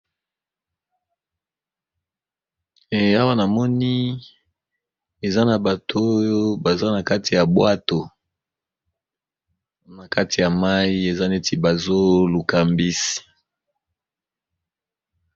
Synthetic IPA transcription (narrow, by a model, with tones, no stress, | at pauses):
a˦wa˦na˨mɔ˦ni˦ | e˨za˦na˨ba˨tʰo˦jo˦ba˨za˦na˨ka˦ti˨ja˨bwa˦to˨ | na˨ka˦ti˨ja˨ma˦i˦e˨za˦ne˦ti˨ba˨zo˦lu˨ka˨mbi˦si̥˨